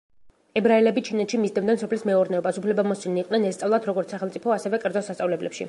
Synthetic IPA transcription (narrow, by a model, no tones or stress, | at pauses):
ɛbɾaɛlɛbit͡ʃʰinɛt̪ʃimizd̪ɛmd̪ɛnsɔpʰlismɛɔɾnɛɔbasupʰlɛbamɔsiniːqʼnɛnɛst̪sʼavlˠad̪ɾɔɡɔɾt̪saχɛlˠt̪sʼipʰɔasɛvɛkʼɛɾd̪zɔsast̪sʼavlɛblɛpʃḭ